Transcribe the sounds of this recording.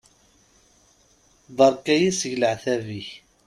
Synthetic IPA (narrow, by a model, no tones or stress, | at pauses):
ðˤɑɾˤkæjisʝləʕθæviç